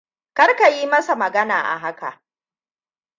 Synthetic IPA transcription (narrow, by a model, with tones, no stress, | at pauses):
kɐ˦rka˨jiː˦mɐ˦sa˨mɐ˨ɡɐ˦na̰ː˨ʔa̰˨ɦa˦ka̰˨ʔ